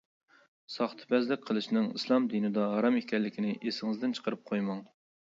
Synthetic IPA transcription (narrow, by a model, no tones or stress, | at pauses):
sɑχt̪ʰɨ̥bɛzlɪk̚ʲqʰəlˠɨʃnɨŋislˠɑmd̪inɨd̪ɑɦɑɾɑmekʲʰɛlːɪkʲinɪʔesɪŋɨzd̪ɪnt͡ʃʰə̥qʰəɾɨp̚qʰojmɑŋ